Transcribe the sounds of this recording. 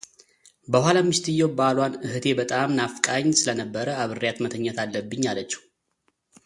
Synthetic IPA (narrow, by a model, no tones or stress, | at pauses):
bəhɦalamːɨʃt̪ʰɨjːowbalwanɨhɨt̪ʰe̞bət̪ʼamnafkʼaɲːsɨlənəbːəɾəaβɨrːijat̪mət̪ʰəɲːət̪ʰalːəbːɨɲːalət͡ʃːɛ̥u